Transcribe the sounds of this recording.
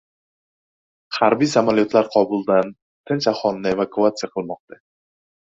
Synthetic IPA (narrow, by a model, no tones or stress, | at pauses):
haɾbijsamaljot̪laɾqʰɒbʊlˠd̪an | t̪ʰɪnt͡ʃaχɒlˠnɪe̞vakuat̪sɨjaqʰɨlˠmɒq̚t̪ʰa